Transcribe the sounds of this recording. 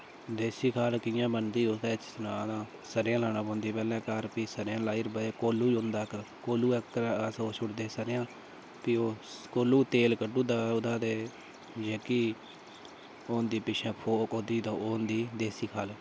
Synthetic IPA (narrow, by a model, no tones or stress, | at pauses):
d̪eːsiːkʰaːlkɪjãːbənd̪iːot̪ɛːt͡ʃsʊnaːd̪ãː | səɾjãːlaːnãːbõːnd̪iːpɛːlɛ̃ːkəɾpiːsəɾjãːlaːiːɾbəeːkoːluːond̪aːk | koːluːɛkːɾəsoːʃʰʊʈd̪eːsəɾjãː | piːoːkoːluːt̪eːlkəʈːuːd̪aːʊd̪aːd̪eː | d͡ʒeːkiː | oːnd̪iːpɪʃʰɛ̃ːpʰoːkoːd̪iːt̪õːoːnd̪iːd̪eːsiːkʰaːl